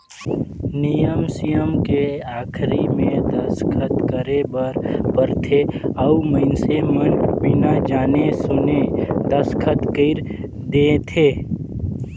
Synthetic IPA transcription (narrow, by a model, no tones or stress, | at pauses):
nijəmsijəmkeaːkʰɾimẽd̪əskʰət̪kəɾebəɾpəɾt̪ʰeɔuməɪnsemənbɪnad͡ʒaːnesʊned̪əskʰət̪kəɪɾ | d̪et̪ʰeː